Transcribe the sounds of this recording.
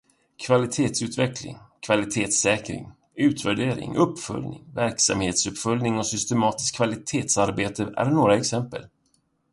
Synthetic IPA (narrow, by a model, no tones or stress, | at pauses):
kʰvalɪt̪ʰeːt̪sʉ̟ːt̪vɛklɪ̰ŋkʰvalɪt̪ʰeːt̪sɛːkɾɪ̰ŋ | ʉ̟ːt̪væɖeːɾɪ̰ŋʔɵpːfɵ̰lnɪ̰ŋvæɾksa̰mheːt̪sɵpfœljnɪŋɔsʏst̪ɛmɑːt̪ɪskʰːvalɪt̪ʰeːt̪saɾbeːt̪əʔæ̰ɾnoːɾaɛksɛmpə̰l